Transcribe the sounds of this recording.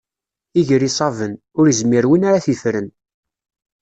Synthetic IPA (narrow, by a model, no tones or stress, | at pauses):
iʝɾisˤɑvən | ʊɾizmiɾwinaɾaθifɾən